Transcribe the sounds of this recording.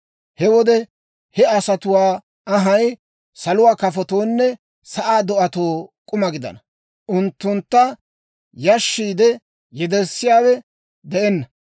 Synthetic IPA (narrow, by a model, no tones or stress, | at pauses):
hɛwɔd̪ɛ | hɛɐsɐt̪ʊwaː | ɐɦɐj | sɐlʊwaːkɐfɔt̪oːnːɛ | sɐʔaːd̪ɔʔɐt̪oːkʼʊmɐɡɪd̪ɐ̰nɐ | ʔʊnt̪ːʊnt̪ːɐ | jɐʃːiːd̪ɛ | jɛd̪ɛɾsːɪjaːwɛ | d̪ɛʔɛnːɐ